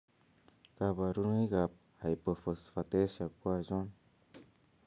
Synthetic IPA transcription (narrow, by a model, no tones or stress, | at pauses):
ɡ̥abaɾunɯjɡap̚ | hajpɯfɯsfatesakuazɔn